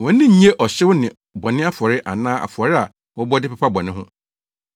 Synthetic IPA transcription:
wɔ̃˨˦n̩˦nɪ̃˦ɲ̩˦ɲe˦ʔɔ˨ɕɪ˦wʊ˦nɪ̃˨ | bɔ˨nɪ̃˦a˦fɔ˨ɾɪ˦ʔa̰˨nãː˦ʔa̰˨fʊ˨ɔ˨ɾɪ˦a˨ | wɔ˦bɔ˦dɪ˦pʰɛ˨pʰa˦bɔ˨nɪ̃˦ɦʊ̰̃˦

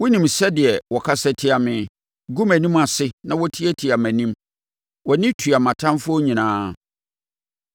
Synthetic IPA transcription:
wʊ˦nĩ˨msɛ˦dɪ˨ɛ˨wɔ˨kʰa˦sɛ˦tʰɪ˦a˨mɪ̃˨ | ɡu˦mæ̃˨nĩ˦ma˨sɪ˦nã˨wɔ˦tʰi˦ɛ˦tʰi˨a˨mæ̃˨nĩ˦m | wɔ˨nɪ̃˦tʰu˨a˨mã˨tʰã˦mfʊ˦ɔ˦ɲĩ˨nãː˦

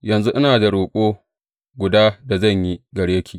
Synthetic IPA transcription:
jɐ˨nzu˦ʔɪ˦naː˨da˨ɽoː˨kʷʼoː˦ | ɡʷʊ˨daː˦da˨zɐ˦˨ɲji˦ɡɐ˨ɽje˦kʲʰiː˨

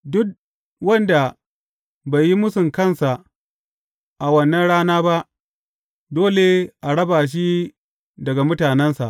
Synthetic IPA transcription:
dʊ˦k̚ | wɐ˦nda˨ | ba˨ji˦mʊ˦sʊ˨ŋkɐ˦˨nsa˨ʔ | ʔa˨wɐ˦nːɐ˦nɽaː˦naː˦ba˦ʔ | doː˦le˨ʔa˨ɽɐ˦baː˨ʃ̬i˦ | dɐ˨ɡa˨mʊ˦taː˨nɛ˦nsa˨ʔ

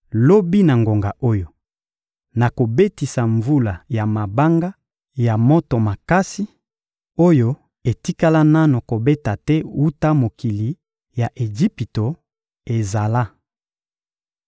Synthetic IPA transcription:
lo˦bi˦na˨ŋɡo˨ŋɡa˨ʔo˦jo˨ | na˨ko˨be˦ti˨sa˨ɱvu˦la˨ja˨ma˨ba˦ŋɡa˦ | ja˨mo˦to˨ma˨ka˦si˦ | o˦jo˦ | e˨ti˦ka˦la˦na˦no˨ko˨be˦ta˨tɛ˦wu˦ta˦mo˨ki˨li˨ | ja˨ʔe˨d͡ʒi˦pi˨to˨ | e˨za˨la˦

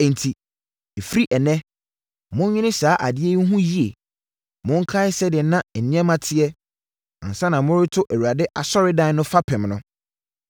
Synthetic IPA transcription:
ɛ̃˨n̩˨tʰi˨ | e˨fɾi˦ʔɛ˨nɛ̃˦ | mʊ̃˦ɲĩ˦nɪ̃˦saː˨˦ʔa˨dɪ˦e˦ɦũ˦ji˦e˨ | mʊ̃˦ŋ̩˦kʰa˦ɪ˦sɛ˦dɪ˨˦nã˦˨n̩˨nɪ̃˦ɛ̃˦mã˦tʰɪ˦ɛ˦ | ã̰˨n̩˨sã˦nã˨mʊ̃˦ɾɪ˦tʰʊ˦ʔe˨wu˨ɾa˨dɪ˦ʔa˨sɔ˦ɾɪ˦dã˦n˦nʊ̃˦fa˦pʰɪ̃˨mnʊ̃˦

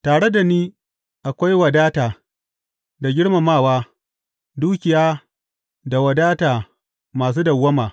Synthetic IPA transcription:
taː˨ɽe˦da˨niː˦ | ʔa˨kʷa˦jwɐ˨daː˦taː˨ | da˨ɡʲɪ˦ɽma˨maː˦˨waː˦ | duː˦kʲɪ˨jaː˦ | da˨wɐ˨daː˦taː˨ | maː˨s̬uː˦dɐ˨wːɐ˦maː˨

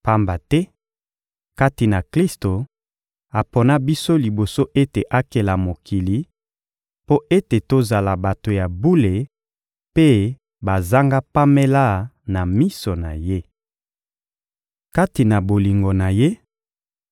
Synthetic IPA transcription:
pa˦mba˨tɛ˦ | ka˦ti˨na˨kli˦sto˨ | a˨po˨na˦bi˦so˦li˨bo˨so˦ʔe˦te˨ʔa˦ke˨la˨mo˨ki˨li˨ | po˦ʔe˦te˨to˦za˨la˨ba˨to˨ja˨bu˦le˨ | pe˦ | ba˨za˦ŋɡa˦pa˦me˦la˦na˨mi˦so˨na˨je˦ | ka˦ti˨na˨bo˨li˨ŋɡo˨na˨je˦

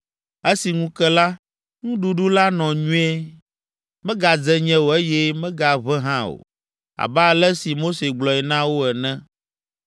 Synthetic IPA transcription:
e˦si˨ŋũ˦kɛ˦la˦ | ŋũ˦ɖu˨˦ɖu˦la˦nɔ̃˨ɲũ˦e˦ | mɛ̃˦ɡa˨d͡zɛ˦ɲɛ̃˦wo˨e˦jɛ˦mɛ̃˦ɡa˨βɛ˦ɦã˦o̰˨ | a̰˨ba˦˨lɛ˦si˨mo˦se˨ɡ͡blɔ˨ɛ˨nã˦wo˦ɛ˨nɛ̃˦

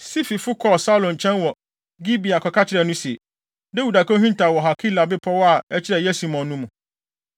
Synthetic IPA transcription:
si˦fi˨fʊ˦kʰɔ˦˨sa˦lõ˨n˨t͡ɕʰɛ̃˦nwɔ˨ | ɡi˦bi˨a˨kʰɔ˨kʰa˦t͡ɕʰɪ˨ɾɛ˨nʊ̃˦si˨e˨ | dɛ˦wu˨da˨kʰɔ̃˦ɦĩ˦n˦tʰa˨wɔ˨ɦa˨kʰi˦la˨bɪ˦pʰɔ˦wɔ˦a˨ɛ˦t͡ɕʰɪ˦ɾɛ˨jɛ˦si˦mɔ̃˨nːũ˦mũ˨

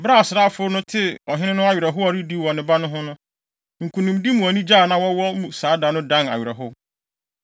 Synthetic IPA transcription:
bɾa˦˨sɪ˨ɾaː˦fʊ˦nʊ̃˦tʰɪ˦ɔ˨ɦɪ̃˦nɪ̃˦nʊ̃˦a˦˨ɥɾɛ˨ɦʊ˦ɔ˨ɾi˦di˦wɔ˨nɪ̃˨ba˦nʊ̃˦ɦʊ̃˦nʊ̃˦ | ŋ̩˨kʰũ˨nũ˨mdi˦mũ˨ɔ˨nĩ˦d͡ʑaː˦˨nã˨wɔ˦wɔ˦mũ˨saː˨˦da˨˦nʊ̃˦dã˦na̰˨ɥɪ˨ɾɛ˨ɦʊ˦

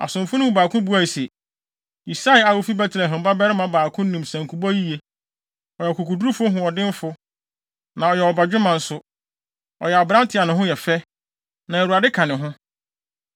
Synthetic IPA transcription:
a̰˨sʊ̃˨mfʊ˦nʊ̃˦baː˨kʰʊ̃˦bu˦a˨i˨sɛ˨ | i˨sa˦˨˦a˨wo˦fi˦bɛ˦tʰlɛ˨ɦɪ̃˨m˨ba˦bɛ˦ɾɪ˦mã˦baː˨kʰʊ̃˦n˦nĩ˨msã˨ŋkʰu˨bɔ˦ji˦je˦ | ɔ˨jɛ˨ku˨kʰu˨du˦ɾu˦fʊ˦ɦʊ̃˨ɔ˨dɪ̃˦m˦fʊ˦ | nã˨ɔ˨jɛ˨ɔ˨ba˨d͡ʑᶣʊ˦mã˨n̩˦sʊ˦ | ɔ̰˨jɛ˨a˨bɾã˦n˦tʰɪ˦a˨nʊ̃˨ɦʊ̃˦jɛ˨fɛ˦ | nã˨ɛ˨ɾu˨a˨dɪ˦kʰã˨nɪ̃˨ɦʊ̃˦

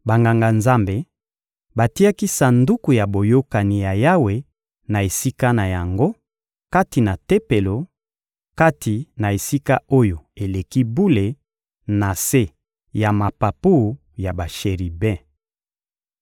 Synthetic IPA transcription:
ba˨ŋɡa˨ŋɡa˨nza˦mbe˨ | ba˨ti˦a˦ki˦sa˨ndu˦ku˨ja˨bo˨jo˦ka˨ni˨ja˨ja˦we˨ | na˨e˨si˦ka˦na˨ja˨ŋɡo˦ | ka˦ti˨na˨te˦pe˨lo˨ | ka˦ti˨na˨e˨si˦ka˦o˦jo˨e˨le˨ki˦bu˦le˨ | na˨se˦ | ja˨ma˨pa˨pu˦˨ | ja˨ba˨ʃe˨ʁi˨bɛ̃˦

